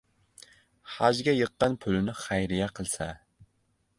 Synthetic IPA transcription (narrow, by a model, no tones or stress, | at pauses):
hæd͡ʒɡʲɛjəqːɑnpʰylɪnɪχæjɾɪjɛqʰəlˠsɛ